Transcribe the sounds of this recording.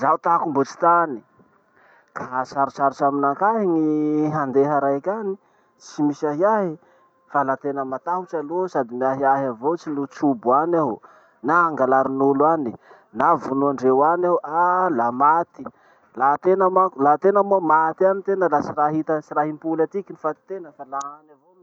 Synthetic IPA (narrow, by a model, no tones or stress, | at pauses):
zawt̪akumbot͡ʃi̥t̪ani̥ | kʰasaɾut͡ʃaɾt͡ʃaminakaɦiŋiɦand̪eɦaɾajkʲani | t͡ʃt͡simisaɦiaɦi | falat̪enəmat̪aɦut͡ʃalosad̪imiaɦiaɦavot͡ʃinut͡ʃubuana | naaŋɡalaɾinulwani | navunuaɳɖ͡ʐewanawalamat̪i̥ | lat̪enəmakulat̪enəmuamat̪ianit̪enəlat͡siɾaɦit̪ət͡ʃiɾaɦimpulat̪ikinifat̪i̥t̪enəfalaanavo